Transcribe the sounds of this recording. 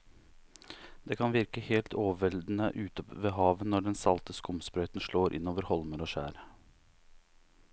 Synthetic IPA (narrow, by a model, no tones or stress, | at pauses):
d̪eːkʰɑnʋɪɾkəheːlt̪ʰoːʋʋɛld̪n̩əʔʉːt̪ɔpʋeːɦɑːʋənːɔɖɛnsɑlt̪əskʊmspɾœʏt̪n̩ʂɭoːɾʔɪ̰nːoːʋəɾhɔlməɾoːʃæ̰ːɾə